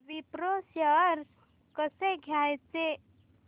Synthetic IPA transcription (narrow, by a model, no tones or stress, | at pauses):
ʋipɾosjəɾ | kəseɡʱjajt͡se